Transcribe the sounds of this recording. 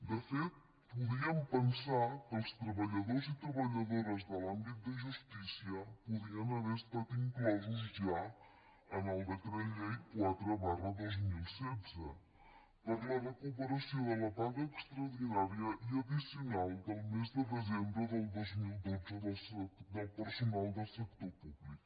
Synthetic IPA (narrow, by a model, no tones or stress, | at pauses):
d̪əfet̪̚ | puðiəmpənsakəlˠst̪ɾəβəʎəðozit̪ɾəβəʎəðoɾəzd̪əlambit̪̚d̪əʒust̪isiəpuðiənəβest̪at̪iŋklɔzuzʒa | ənalˠd̪ət̪ɾɛʎeikwat̪ɾəβarəðozmilˠsɛdzə̰ | pəɾlaɾɐkopəɾɐsiwɐlɐbaŋkɐekst̪ɾɐðinaɾjɐʔiɐd̪isiunalˠd̪əlˠmezd̪əd̪əzẽmbɾəd̪əlˠd̪ojzmilˠd̪ozəd̪əsd̪əlˠpəɾsunalˠd̪əsəkt̪oɾpubliku